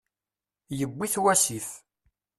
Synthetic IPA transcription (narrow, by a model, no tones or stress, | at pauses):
jəɡʷːiθwæsiθ